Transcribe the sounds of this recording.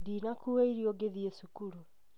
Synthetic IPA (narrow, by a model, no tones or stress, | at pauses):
dinakuweiɾioɡeðiesukuɾu